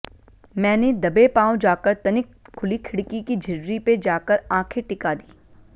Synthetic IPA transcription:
mɛ̃ːned̪ɐbepãːw̃d͡ʒaːkəɾt̪ɐnɪkʰːʊlikʰɪɽkikid͡ʒʱɪɾːiped͡ʒaːkəɾãːkʰeʈɪkad̪iː

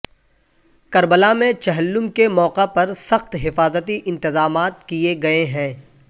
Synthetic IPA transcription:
kɐɾbəlamẽt͡ʃɐɦəlːʊmkemɔːqapɐɾsɐxt̪ɦɪfaːzət̪iʔɪ̃nt̪ɪzaːmaːt̪̚kieɡɐeɦɛ̃ː

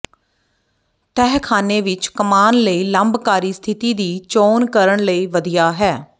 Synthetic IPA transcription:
ʈ̪ɛːɦkʰaːneːʋɪt͡ʃkəmaːnləiːləmbkaːɾiːst̪ʰɪt̪iːd̪iːt͡ʃoːnkəɾəɳləiːʋəd̪ijaːɦɛː

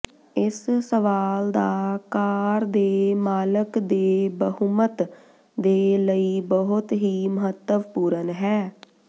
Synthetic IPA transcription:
ɪssəʋaːld̪aːkaːɾd̪eːmaːləkd̪eːbəɦumət̪ | d̪eːləiːbəɦʊt̪ɦiːməɦət̪ːəʋpuːɾənɦɛː

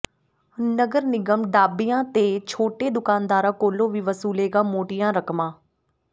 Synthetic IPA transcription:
nəɡəɾnɪɡəmɖ̪aːbɪjãːt̪eːt͡ʃʰoːʈeːd̪ʊkaːnd̪aːɾãːkoːlõːʋiːʋəsuːleːɡaːmoːʈɪjãːɾəkmãː

